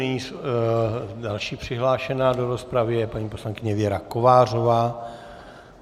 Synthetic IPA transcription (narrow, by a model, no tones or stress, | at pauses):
ɲis | dalʃiːpr̝̥ɪɦlaːʃɛnaːdo̞ɾo̞spɾavɪɛpaɲiːpo̞slaŋkɪɲɛvɪɛɾako̞vaːr̝o̞vaː